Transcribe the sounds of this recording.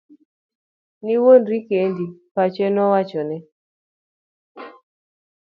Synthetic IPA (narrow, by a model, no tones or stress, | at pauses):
niwonɾikendipat͡ʃɛnɔwat͡ʃɔnɛ